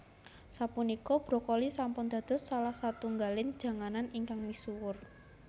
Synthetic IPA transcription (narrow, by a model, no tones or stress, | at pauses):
sapunikɔb̥ɾɔ̤kɔlisampʊnd̪̥ä̤d̪̥ʊ̤ssalahsat̪uŋɡalɪn̥d͡ʒ̥a̤ŋananiŋkaŋmisuwʊr